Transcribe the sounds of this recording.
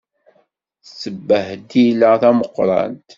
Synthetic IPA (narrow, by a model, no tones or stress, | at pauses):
θsːəbːəhd̪ilːəθæməqːɾˤɑ̰nt̪